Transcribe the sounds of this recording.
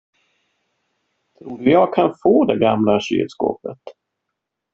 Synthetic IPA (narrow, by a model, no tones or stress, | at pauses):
t̪ʰɾuːɖɵjɑɡ̚kʰanfoːd̪ɛɡamlaɕy̰ːd̪sko̰ːpə̰t̪